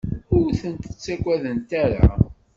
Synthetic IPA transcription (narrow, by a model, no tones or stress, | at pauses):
ʊɾθənt̪ə̥t͡sːækʷæðənt̪æɾa̰